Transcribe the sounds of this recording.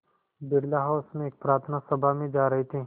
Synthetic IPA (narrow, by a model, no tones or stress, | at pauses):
bɪɽlaɦaʊsmẽeːk̚pɾaːɾt̪ʰənasɐbʱamẽd͡ʒaːɾɐɦit̪ʰi